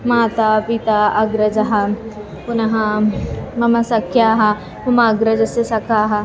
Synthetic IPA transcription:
maːt̪apit̪aɐɡɾɐd͡ʒɐɦɐ | punɐɦɐ | mɐmɐsɐkʰjaɦɐ | mɐmaːɡɾɐd͡ʒɐsesɐkʰaːɦɐ

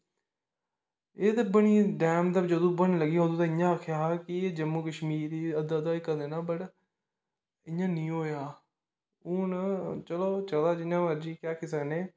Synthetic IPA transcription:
eːd̪abəniːɖɛːmt̪əbd͡ʒəd̪õːbənləɡiːɦõːd̪uːt̪ãːɪjãːəkʰjaːkɪd͡ʒəmːuːkəʃmiːɾiːəd̪ad̪aːɪkːəd̪eːnaːbəʈ | ɪɲːãːnĩːɦoːjaː | ʊnt͡ʃəloːt͡ʃəlaːd͡ʒɪãːməɾd͡ʒiːkaːkʰisəkneː

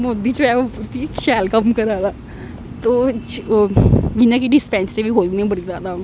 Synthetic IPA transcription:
moːd̪it͡ʃoɛout̪iʃɛːlkəmkəɾaːd̪aː | t̪oː | d͡ʒinãkiɖɪspɛ̃ːnst̪ebʱiɦoːlniɛ̃bəɽizjaːd̪a

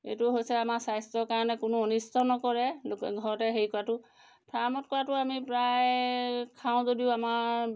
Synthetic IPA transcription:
ḛtʊɦojsɛamaɹsajstɹɔɹkaɹɔnɛkʊnʊɔnistʰɔnɔkɔɹɛlkɡʱɔɹɔtɛɦeɹikɔɹatʊ | pʰɹamɔt̚kɔɹatʊamipɹajkʰãʊ̃zodiʊamaɹ

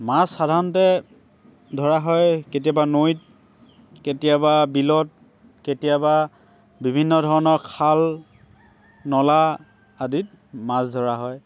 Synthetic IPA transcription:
masxadʱaɹɔntɛ | dʱɔɹaɦɔjket̬iabanojt̚ | ketijababilɔt̚ | ketijaba | bibʱinːɔdʱɔɹɔnɔɹkʰal | nɔla | adit̚ | masdʱɔɹaɦɔj

